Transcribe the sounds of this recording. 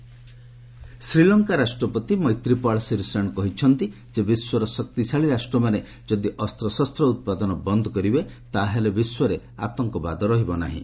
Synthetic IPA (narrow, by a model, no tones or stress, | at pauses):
sɾilɔŋkaɾasʈɾɔpɔt̪imɔjt̪ɾipaɭsiɾusɾaɳkɔɦit͡ʃʰɔnt̪i | d͡ʒebiswɔɾɔsɔkt̪isaɭiɾasʈɾɔmane | d͡ʒɔd̪iʔɔst̪ɾɔsɔst̪ɾɔut̪̚pad̪ɔnɔbɔnd̪ʱɔkɔɾibet̪aɦelebiswɔɾe | a̰t̪ɔŋkɔba̰d̪ɔɾɔɦibɔna̰ɦḭ̃